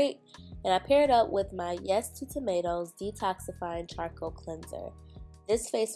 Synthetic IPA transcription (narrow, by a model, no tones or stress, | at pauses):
ɪt̚ | ɨ̃naɪpʰɛɹɨɾʌpwʔɪðmaɪjɛstʰɨtʰɨmeɪɾoʊzditʰɑksɨfaɪɪ̃ŋt͡ʃʰɑɹkoʊkʰl̥ɛ̃nzə̰˞ðɪsfeɪs